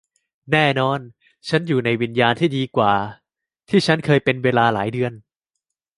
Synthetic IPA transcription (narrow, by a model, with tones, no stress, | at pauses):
nɛː˥˩nɔː˧n | t͡ɕʰa˦˥njuː˨˩na˧jwi˧njaː˧nt̪ʰiː˥˩diː˧kwaː˨˩ | t̪ʰiː˥˩t͡ɕʰa˦˥nkʰɤː˧jpe˧nweː˧laː˧laː˩˦jdɯ˧ən